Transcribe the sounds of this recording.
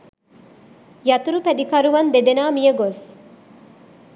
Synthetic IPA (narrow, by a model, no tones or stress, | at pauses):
jɐt̪uɾupæd̪ikɐɾuʋɐnd̪ed̪enaːmijəɡos